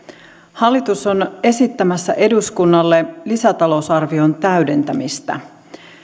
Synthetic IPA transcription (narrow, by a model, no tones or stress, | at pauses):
hɑlːit̪uso̞ne̞sit̪ːæmæsːæ̰ʔe̞duskunːɑlːelisæt̪ɑlo̞usɑrʋio̞nt̪æyde̞nt̪æmist̪æ̰